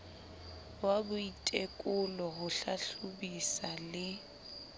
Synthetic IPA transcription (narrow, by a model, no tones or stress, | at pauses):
wabʊitʼekʼʊlɔɦʊɬaɬubisalɪ